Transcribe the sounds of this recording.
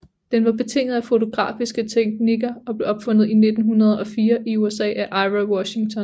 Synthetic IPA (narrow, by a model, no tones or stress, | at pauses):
d̥enʋɑ̈b̥e̝t͡sʰe̝ŋ̰nð̩ˠæfo̝t͡sʰo̝ɡ̥ʁɑ̰̈ːfisɡ̥ət͡sʰeɡ̥niɡ̥ɐɒ̽b̥le̝ʔɒ̽b̥fɔ̽n̰ð̩ˠine̝d̥n̩ɦunɐð̞ˠɒ̽fiːɐʔiuesɛ̰ːæʔɑ̈ɪʋawɒɕiŋt͡sʰɒ̽n